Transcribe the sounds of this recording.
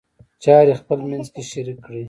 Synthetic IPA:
t͡ʃɑɾexpəlmanzkeʃaɾikːɽi

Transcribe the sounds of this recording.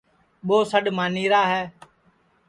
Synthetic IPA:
ɓoːsəɗmaːniːɾaːɦɛː

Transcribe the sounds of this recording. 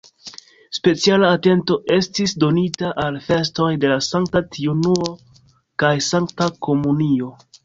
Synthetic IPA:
spe̞t͡sialaːte̞nto̞ʔe̞stisdo̞nitaʔalfe̞s̬to̞jde̞lasaŋktatʰiunuo̞ | kajsaŋktako̞munio̞

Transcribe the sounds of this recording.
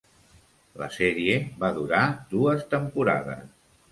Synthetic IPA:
lə̰sɛɾieβaðuɾad̪uəst̪əmpuɾa̰ðə̰s

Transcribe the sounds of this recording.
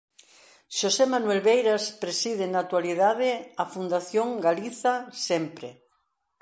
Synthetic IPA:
ʃosemanwelβejɾaspɾesið̞ɪnat̪waliðaðɪafund̪aθjoŋɡaliθasempɾe

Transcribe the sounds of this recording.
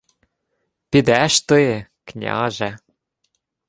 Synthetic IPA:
ped̪æʃt̪ɤeknʲɑ̰ʒæ

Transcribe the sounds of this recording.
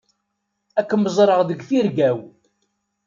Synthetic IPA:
ækːəməzˤɾˤəʁðəɡθiɾɡæw

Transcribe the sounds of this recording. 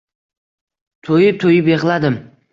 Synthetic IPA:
t̪ʰɵjɪt̪ʰojɪpe̞ʁlˠad̪ɪm

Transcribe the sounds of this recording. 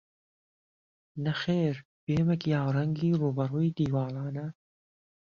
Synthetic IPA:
nɐxeːɾ | b̥eːmɐkiːaːwɾɐŋɡiːruːbɐɾuːjid̪iːwɑːlɑːnɐ

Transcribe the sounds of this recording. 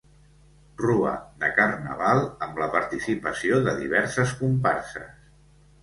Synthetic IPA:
ruə̰ðəkərnə̰βalˠəmləpəɾt̪isipəsioðəðḭβ̞ɛɾsəskumpa̰rsə̰s

